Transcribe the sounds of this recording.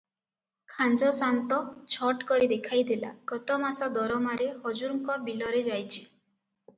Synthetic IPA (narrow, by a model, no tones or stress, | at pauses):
kʰand͡ʒɔsant̪ɔt͡ʃʰɔʈkɔɾid̪ekʰajd̪ela̰kɔt̪ɔmasad̪ɔɾɔmaɾehɔd͡ʒuɾŋkɔbilɔɾed͡ʒajt͡ʃʰi